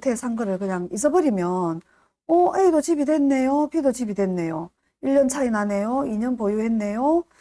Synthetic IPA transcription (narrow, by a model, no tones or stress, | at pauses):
tʰe̞sʰaŋɡʌɾɯɭkɯɲaŋis̬͈ʌbʌɾimjʌn | oeidot͡ɕibidwe̞nːe̞jopʰidot͡ɕibidwe̞nːe̞jo | iʎːʌnt͡ɕʰainanejoiɲʌnpojuhe̞nːe̞jo